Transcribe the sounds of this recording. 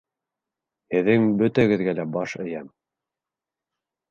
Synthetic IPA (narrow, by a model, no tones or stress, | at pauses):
hɘ̆ðɘŋbɵ̆t̪æɘ̆ɡɘ̆ðɡælæbɑʃɘ̆jæm